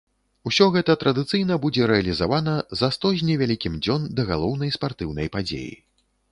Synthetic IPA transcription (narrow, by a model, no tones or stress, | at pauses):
usʲɔɣɛt̪ɐt̪ɾɐd̪ɨt̪sɨjnɐbud͡zʲɛɾɛɐlʲizavanɐzɐst̪ɔzʲnʲivʲalʲikʲimd͡zʲɔnd̪ɐɣalˠɔwn̪ɐjspart̪ɨwnɐ̰jpad͡zʲḛjḭ